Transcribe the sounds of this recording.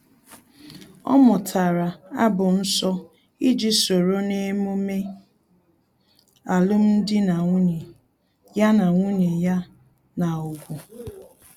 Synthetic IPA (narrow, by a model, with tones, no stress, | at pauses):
ɔ̰˦mʊ˨tʰa˨ɾa˨a˦bʊ˨n̩˦sɔ˦ | i˦d͡ʒi˦so˨ɾo˦ne˦mo˦me˦ | a˨lʊ˦m̩˦dɪ˦na˨ŋ˦ɲ˨ | ja˦na˨ŋʷu˦ɲe˨ja˦ | na˨o˨ɡʷu˨